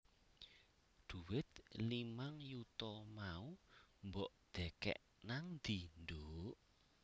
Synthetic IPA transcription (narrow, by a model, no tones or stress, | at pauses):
d̪̥uwɪt̪̚limaŋjut̪ɔmaumbɔʔd̪̥ɛ̤kɛ̰ʔ | naŋd̪̥ind̪oʔ